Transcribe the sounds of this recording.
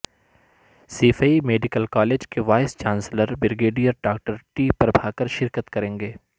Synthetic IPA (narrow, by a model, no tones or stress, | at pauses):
siːfaimeːɖɪkəlkaːleːd͡ʒkeʋaːɪst͡ʃãːnsləɾbɪɾɡeːɖijəɾɖaːk̚ʈəɾʈiːpɐɾbʱaːkəɾʃɪɾkət̪kɐɾẽːŋɡeː